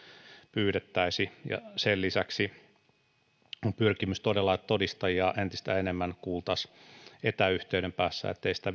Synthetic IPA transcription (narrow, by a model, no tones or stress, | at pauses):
pyːɾet̪ːæisijɑ̰sellisæksi | ompyrkimyst̪odelːɑet̪t̪odist̪ɑjɑʔent̪ist̪æenemːænkuːlˠt̪ɑset̪æyht̪eyɾempæːsːæ̰ḛt̪ːeisi̥t̪æ